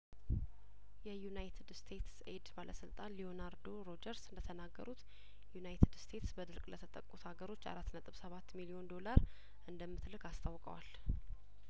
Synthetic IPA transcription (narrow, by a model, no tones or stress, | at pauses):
jɛjunajt̪ʰɨd̪st̪ʰe̞t̪se̞d̪balə̰sɨlt̪ʼanlio̞naɾd̪o̞ɾo̞d͡ʒəɾsɨnd̪ət̪ʰənaɡːə̰ɾut̪ | junajt̪ʰɨd̪st̪ʰe̞t̪sbəd̪ɨɾkʼlət̪ʰət̪ʼəkʼːut̪ʰhaɡəɾo̞t͡ʃːa̰ɾat̪ːnət̪ʼɨβsəβat̪ːmilio̞nd̪o̞laɾ | ʔɨnd̪əmːɨt̪lɨkast̪ʰawkʼə̰wal